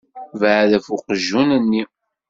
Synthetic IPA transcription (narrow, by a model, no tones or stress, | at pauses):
vʕðəfuqəʒːunənːi